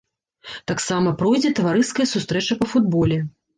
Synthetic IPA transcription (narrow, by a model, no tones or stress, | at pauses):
t̪aksamɐpɾɔjd͡zʲɛt̪ɐvaɾɨskɐjɐsust̪ɾɛt͡ʂɐpɐfud̪bɔlʲɛ